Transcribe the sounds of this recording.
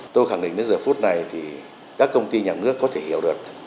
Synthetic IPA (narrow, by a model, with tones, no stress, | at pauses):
t̪o˧jxaː˧˩ŋɗḭ˧˨ŋ̟ɗəː˨˦jzəː˨˩fu˦˥t̚na˨˩jt̪ʰi˨˩ | kaː˦˥kːə˧wŋ͡mt̪i˧ɲaː˨˩nɨ˦˥əkːɔ˨˦t̪ʰe˧˩hi˧˩˨əwɗɨ˨˩ək̚